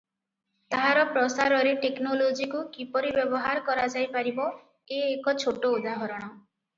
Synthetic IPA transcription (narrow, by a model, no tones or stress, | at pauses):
t̪aɦaɾɔpɾɔsaɾɔɾeʈeknolod͡ʒikukipɔɾibjɔbɔɦaɾkɔɾad͡ʒajpaɾibɔ | eːkɔt͡ʃʰoʈoud̪aɦɔɾɔɽ̃ɔ